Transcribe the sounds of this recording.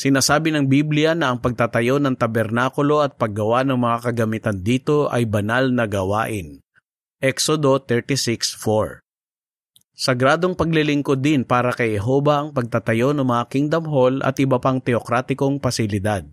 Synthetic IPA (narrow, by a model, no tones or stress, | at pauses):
sɪnaːsaːbɪnɐŋbiblɪjɐnɐʔɐŋpɐɡ̚t̪at̪ɐjo̞nɐŋt̪ɐbɛɾnaːkʊlo̞ɐt̪̚pɐɡ̚ːɐwanɐŋmɐŋakɐɡɐmɪt̪ɐnd̪iːt̪o̞ʔɐjbɐnalnɐɡɐwa̰ːʔɪn | ʔɛksod̪o̞t̪ɛɹt̪isɪksfoɹ | sɐɡɾaːd̪o̞ŋpɐɡ̚lɪlɪŋkod̪ːɪnpaːɾɐkɐjhɛɦobɐʔɐŋpɐɡ̚t̪at̪ɐjo̞nɐŋmɐŋakɪŋd̪ɐmɦo̞lʔɐ̰t̪ʔɪbɐpɐŋt̪ɛokɾaːt̪ɪko̞ŋpɐsɪlɪd̪ad̪̚